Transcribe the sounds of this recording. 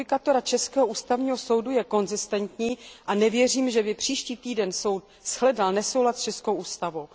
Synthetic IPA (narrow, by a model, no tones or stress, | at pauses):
ɪkat̪o̞ɾat͡ʃɛskɛːɦoʔuːst̪avɲiːɦo̞so̞wdujɛko̞nzɪst̪ɛnt̪ɲiːʔanɛvjɛriːmʒɛbɪpr̥iːʃciːt̪iːdɛnso̞wt̪̚ | sxlɛdalnɛsowɦlat̪st͡ʃɛskowʔuːst̪avow